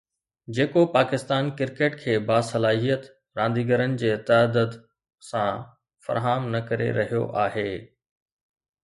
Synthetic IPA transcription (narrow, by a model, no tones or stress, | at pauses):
d͡ʑeːkopaːkɪst̪aːnkɪɾkeːʈkʰeːbaːsɐlaːɦijət̪ | ɾãːnd̪iːɡəɾənɪ̆d͡ʑeːt̪ɐd̪əd̪ | sã | fɐ̰ɾɦaːmnɐkɐɾḛɾɐɦijo̰ʔaːɦeː